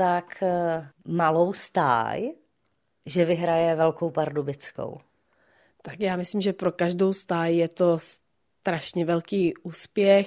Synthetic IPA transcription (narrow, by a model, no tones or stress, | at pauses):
t̪ak | malowst̪a̰ːj | ʒɛvɪɦɾajɛvɛlkowpaɾdubɪt͡sko̰w | t̪akjaːmɪslimʒɛpɾokaʒdo̞wst̪aːjjɛt̪o̞s | t̪ɾaʃɲɛvɛlkiːʔuːspjɛx